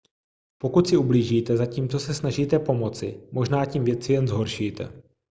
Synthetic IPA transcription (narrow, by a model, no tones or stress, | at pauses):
po̞kut̪sɪubliːʒiːt̪ɛzaciːmt͡so̞sɛsnaʒiːt̪ɛpo̞mo̞t͡sɪ̰mʔo̞ʒnaːciːmvjɛt͡sɪjɛnzɦo̞ɾʃiːt̪ɛ̰